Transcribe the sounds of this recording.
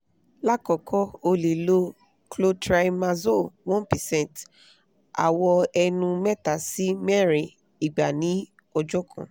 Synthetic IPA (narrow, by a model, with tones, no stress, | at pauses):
la˦kɔ˨kʰɔ˦o˧le˨lo˦ | klo˦tɾa˧jma˧zo˦˨wɔ̃˦npɛ˨sɛ̃˦˨nt | a̰˨wɔ˧ɛ˧nũ˧mɛ˦ta˨si˦mɛ˦ɾi˨ | i˨ɡ͡ba˨nĩ˨˦ | ɔ˧d͡ʒɔ˦kʰã̰˨